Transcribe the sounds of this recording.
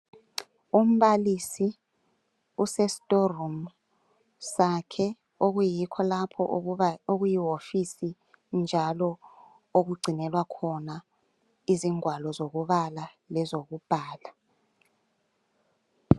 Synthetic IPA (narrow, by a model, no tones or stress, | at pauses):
um̩ɓalisi | usɛsi̥tʼorum | sakʰɛ | oɣujikʰɔlapʰɔ̰oɣujiwofisi | nd͡ʒʱalɔ | oɣ̬uɡ͡ǀʱinɛlwakʰɔna | iziŋwalɔzoɣuβala | lɛzok̬ub̥ʱaːla